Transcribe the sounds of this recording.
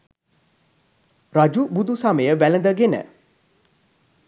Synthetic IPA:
ɾad͡ʒubud̪ʱusaməjəʋælənd̪əɡenə̰

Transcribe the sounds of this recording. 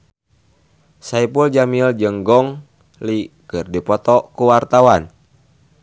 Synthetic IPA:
saipuld͡ʒamild͡ʒəŋɡɔŋ | likɨrdipɔt̪ɔkuwart̪awan

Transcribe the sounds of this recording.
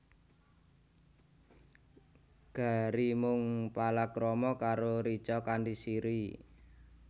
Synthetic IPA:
ɡ̥a̤ɾimʊŋpalakɾɔmɔkaɾoɾit͡ʃɔkandisiɾi

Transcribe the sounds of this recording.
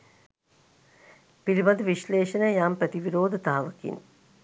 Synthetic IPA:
pilibɐd̪ʋiɕleːʃɐnəjaːmpɾɐt̪iʋiɾoːd̪ʱət̪aːʋəkḭn

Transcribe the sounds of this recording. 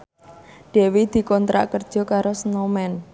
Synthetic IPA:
ɖ̥e̤wid̪̥i̤kɔnt̪ɾa̰ʔkərd̥ʒ̥ɔ̤kaɾosnɔmɛn

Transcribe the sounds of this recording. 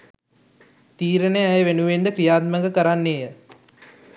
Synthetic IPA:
t̪iːɾənəæjəʋenuʋend̪əkɾijaːt̪̚məŋɡəkəɾanːeːjə

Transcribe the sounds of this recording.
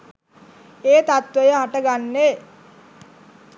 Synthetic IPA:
eːt̪at̪ʋəjəɦaʈəɡanːe

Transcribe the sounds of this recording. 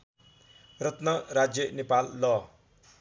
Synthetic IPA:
rʌt̪nʌɾad͡zjʌnepalːʌ

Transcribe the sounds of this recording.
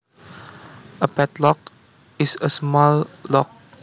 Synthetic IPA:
əpɛtlɔk̚ | ɪsəsmɔllɔk̚

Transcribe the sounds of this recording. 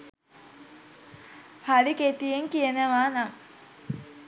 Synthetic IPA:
haɾiket̪ijeŋkijənəʋaːnaŋ

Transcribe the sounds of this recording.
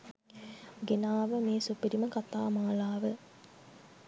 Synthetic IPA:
ɡenaːʋəmeːsupiɾiməkat̪aːmaːlaːʋə

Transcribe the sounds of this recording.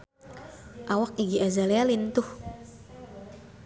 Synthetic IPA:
ʔawak̚iɡiazalealint̪ʊh

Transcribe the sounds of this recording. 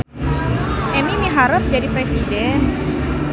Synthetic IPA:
ʔɛmimiɦaɾʊf̚d͡ʒadipɾɛsidɛn

